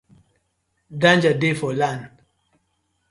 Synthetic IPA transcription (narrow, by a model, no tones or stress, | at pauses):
dãnd͡ʒadefɔland